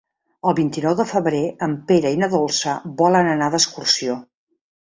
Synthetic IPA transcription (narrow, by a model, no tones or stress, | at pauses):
əlˠβint̪inɔwðəfəβɾeəmpeɾəinəðolˠsəbɔlənənaðəskursio